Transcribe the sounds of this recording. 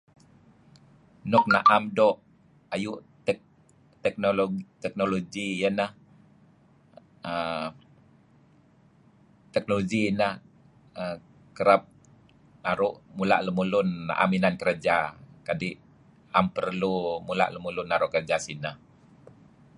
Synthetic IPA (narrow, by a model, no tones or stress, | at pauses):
nɔk̚naʔamdɔʔ | ajuʔt | t̪ɛk̚noloɡt̪ɛk̚noloɡijənah | ə | t̪ɛk̚noloɡinəh | ə | kəɾap̚ | naɾʊʔmula̰ʔləmulʊnːa̰ʔa̰minankəɾad͡ʒakadiʔ | ampərlumula̰ʔləmulʊnaɾʊʔkərd͡ʒasinəh